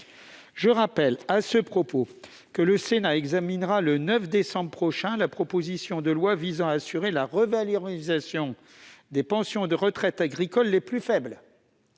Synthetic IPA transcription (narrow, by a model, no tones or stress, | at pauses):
ʒəʁapɛlasəpχɔpo | kələsenaɛɡzaminʁalənœfd̪esɑ̃bʁəpχɔʃɛ̃lapχɔpozisjɔ̃d̪əlwavizɑ̃aːsyʁelaʁəvalɔʁizasjɔ̃ | d̪epɑ̃sjɔ̃d̪əʁət̪χɛt̪aɡʁikɔlːeplyfɛbl